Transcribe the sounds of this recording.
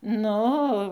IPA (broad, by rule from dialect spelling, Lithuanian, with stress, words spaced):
ˈnʊ oː